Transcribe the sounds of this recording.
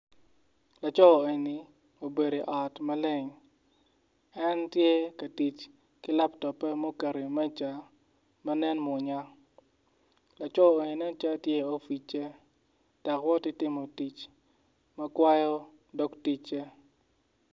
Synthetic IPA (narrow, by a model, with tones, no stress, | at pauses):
la˨t͡ʃɔ˦˨e˨ni˨ | o˨be˨ɾe˨ʔɔ˨tmɐ˦lɪ˦ŋ | ɛ˦ntje˦kɐ˨ti˨t͡ʃ | kɪ˦la˦ptɔ˨pːɛ˦mo˦ke˨ɾi˨mɛ˦t͡ʃa˨ | mɐ˦nɛ˦nmʊ˨ɲa˦ | la˨t͡ʃɔ˦˨e˨ni˨nɛ˦t͡ʃa˦tje˦o˦fi˨t͡ʃe˦ | ta˨kwɔ˦tɪ˦tɪ˦mo˨ti˨t͡ʃ | mɐ˦kwa˦jɔ˦ | do˦kti˦t͡ʃe˦